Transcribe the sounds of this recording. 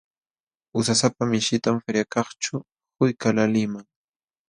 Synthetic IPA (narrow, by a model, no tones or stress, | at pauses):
ʊsasapamɪʃɪt̪amfeɾjakɑχt͡ʃʊ | hʊjkalalɪmaŋ